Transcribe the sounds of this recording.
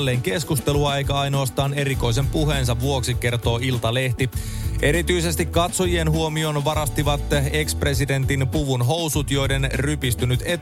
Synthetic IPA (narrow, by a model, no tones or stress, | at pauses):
lːe̞ːŋke̞skust̪eluɑejkæɑjno̞ːst̪ɑːne̞ɾiko̞js̬e̞mpuɦe̞ːns̬ɑʋʋuo̞ksike̞rt̪o̞ːilt̪ɑle̞ht̪i | ʔe̞ɾit̪yise̞st̪ikkːɑt̪so̞jie̞nhuomio̞nʋɑɾɑst̪iʋɑt̪e̞kspre̞side̞nt̪inpuʋunɦo̞wsut̪jo̞jde̞nrypist̪ynyt̪e